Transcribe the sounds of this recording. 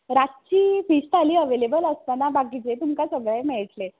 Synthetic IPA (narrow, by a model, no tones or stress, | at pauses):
ɾat̪̚t͡ɕiːfisʈ̪aliːəʋelebələst̪anabaɡit͡ɕet̪umkasəɡɭemeɭʈle